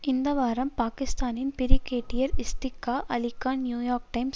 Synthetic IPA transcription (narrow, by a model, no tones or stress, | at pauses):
ɪnd̪ɐʋaːɾɐmpaːkɪst̪aːnɪnpɪɾɪkːeːʈːɪjɐɾɪst̪ɪkːaːʔɐlɪkːaːnnjuːjaːɾk̚ʈɐɪms